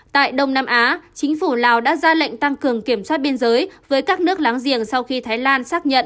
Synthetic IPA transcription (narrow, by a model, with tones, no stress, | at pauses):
t̪a̰ː˧˨jɗə˧wŋ͡mnaː˧mʔaː˨˦t͡ɕï˨˦ŋ̟fu˧˩laː˨˩wɗa̰ː˧˥zaː˧la̰˧˨jŋ̟t̪a˧ŋkɨ˨˩əŋki˧˩əmswaː˦˥t̚ɓi˧ənzəː˨˦jvəː˨˦jkaː˦˥k̚nɨ˦˥ək̚laː˨˦ŋzḭ˧˩əŋsa˧wxi˧t̪ʰaː˨˦jlaː˧nsaː˦˥k̚ɲə̰˧˨n